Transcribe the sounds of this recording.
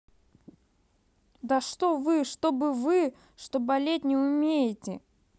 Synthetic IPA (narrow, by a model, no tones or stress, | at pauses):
d̪əʂt̪ovɨʂt̪obɨvɨ | ʂt̪obɐlʲet̚ʲnʲɪʊmʲejɪtʲɪ̰